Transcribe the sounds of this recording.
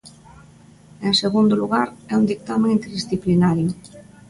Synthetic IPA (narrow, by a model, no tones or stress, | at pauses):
ẽŋseɣund̪ʊluɣaɾɛund̪ik̚t̪amẽŋint̪eɾðisθiplinaɾjʊ